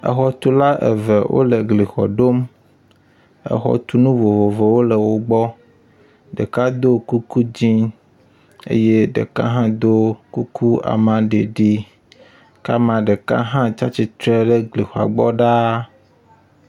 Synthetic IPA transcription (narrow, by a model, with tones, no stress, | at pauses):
ɛ̰˨xɔ˨t̪u˦la˦ʔɛ̰˨vɛ˨wʔo̰˦lɛ˨ɡli˨xɔ̰˨ɖo˦m | ɛ̰˨xɔ̰˦t̪u˦nũ˦vo˨vo˨vɛ˨wo˦lɛ˨wo˦ɡ͡bɔ˦ | ɖɛ̰˨ka˦d̪o˦ku˦ku˦d͡ʑĩ˦ | ḛ˦je˦ɖɛ̰˨ka̰˦ɦã˦d̪o˦ku˦kʰu˦a̰˨mã˨ɖe˨ɖi˦ | ka˦mã˨ɖɛ˨ka̰˦ɦã˦t͡ʃa˦t͡ɕi˨t̪ɾɛ˦ɖɛ˦ɡli˨xɔ˨a̰˨ɡ͡bɔ˦ɖa˦